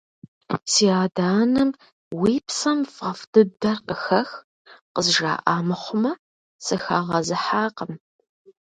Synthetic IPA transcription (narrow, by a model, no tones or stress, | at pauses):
siːaːdaːnɨm | wiːpsɐmfɐfdɨdɐrqəxɐx | qəzʒa̰ːʔaːmɨχʷʊmɐ | sɨxaːʁɐzɨħaːqəm